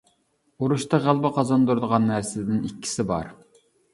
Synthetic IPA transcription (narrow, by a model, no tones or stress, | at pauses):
uɾuʃt̪ɑʁælˠbəqʰɑzɑnd̪uɾd̪əʁɑnːæɾsɪd̪ɪnikʲːi̥sɪbɑ̰ɾ